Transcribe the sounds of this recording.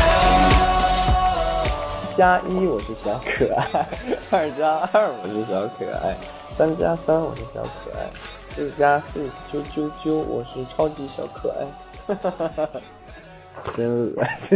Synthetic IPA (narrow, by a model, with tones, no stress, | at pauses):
t͡ɕja˥ʔi˥wɔ˨˩ʂɻ̩˥˩ɕjɑ˧˥ʊkʰɤ˨˩a˥˩ɐ˞˥˩t͡ɕja˥ə˥˩wɔ˨˩ʂɻ̩˥˩ɕ̬jɑ˧˥ʊkʰɤ̰˨˩a̰˥˩ɪ | sa˥nt͡ɕja̰˥sa˥nwɔ˨˩ʂɻ̩˥˩ɕjɑ̰˧˥ʊkʰɤ̰˨˩a̰˥˩ɪ | t͡sɹ̩˥˩t͡ɕja˥sɹ̩˥˩t͡ɕjo˥ʊt͡ɕjo˥ʊt͡ɕjo˥ʊwʔɔ̰˨˩ʂɻ̩˥˩ʈ͡ʂʰɑ˥ʊt͡ɕi˧˥ɕjɑ̰˧˥ʊkʰɤ̰˨˩a̰˥˩ɪ | ʈ͡ʂə˥n̩˨˩